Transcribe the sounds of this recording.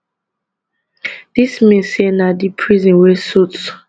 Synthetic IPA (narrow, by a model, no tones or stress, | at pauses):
d̥ismĩsenadipʰɹizĩnwesuts